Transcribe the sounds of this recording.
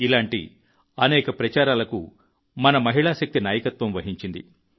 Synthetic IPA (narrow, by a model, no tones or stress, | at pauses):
ilaːɳʈḭ | ɐnɛːkɐpɾɐt͡ʃaːɾaːlɐkṵ | mɐnɐmɐɦiɭaːʃɐk̚t̪inaːjɐkɐt̪ʋɐmʋɐɦiɲt͡ʃind̪ḭ